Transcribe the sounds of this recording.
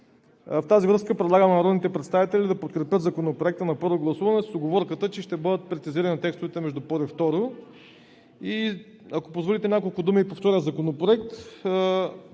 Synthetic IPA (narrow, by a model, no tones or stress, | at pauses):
ft̪azivɾɤskəpɾɛd̪lˠaɡəmɛnɐɾɔd̪nit̪ɛpɾɛt̪st̪avit̪ɛlid̪ɐpot̪kɾɛpʲjət̪zɐkonopɾoɛk̚t̪ənɐpɤɾvoɡlˠɐsuvɐnɛssoɡovɔɾkət̪ət͡ʃɛʃt̪ɛbɤd̪ət̪̚pɾɛt̪siziɾɐnit̪ɛkst̪ʊvɛt̪ɛmɛʒd̪upɔɾift̪ɔɾo | i | ɐkopozvolit̪ɛnʲakolˠkʊd̪umiːpoft̪ɔɾijəzɐkonopɾoɛk̚t̪